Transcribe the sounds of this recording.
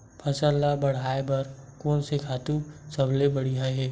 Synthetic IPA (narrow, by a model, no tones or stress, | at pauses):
pʰɐsəɾlabɐɽ̤aːebɐɾkoːnsekʰaːt̪usɐblebɐɽiɦaɦɛː